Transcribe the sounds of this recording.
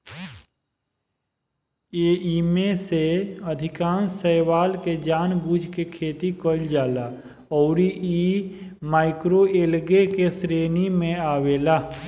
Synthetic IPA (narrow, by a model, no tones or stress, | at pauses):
eːiːmẽseəd̪ʱɪkãːnsəːwaːlked͡ʒaːnbuːd͡ʒʱkekʰeːt̪ikoɪld͡ʒaːla | ɔːɾiʔi | maːɪkɾoeːlɡekesɾeːnimẽaːweːlaː